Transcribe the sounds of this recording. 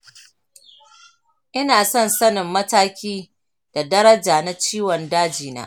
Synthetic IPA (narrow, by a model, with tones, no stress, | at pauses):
ʔɪ˦naː˨sɔ˦nsɐ˦nɪ˨mːɐ˦taː˦kʲiː˦ | d̥a˨dɐ˦ɾɐ˦d͡ʒaː˨na˦t͡ʃiː˦wɔ˨ndaː˦d͡ʒiː˨na̰ː˦